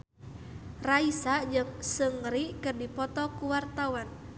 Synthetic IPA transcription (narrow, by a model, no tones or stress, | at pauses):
raisad͡ʒɨŋsəŋɾiʔkərdipɔt̪ɔkuwart̪awan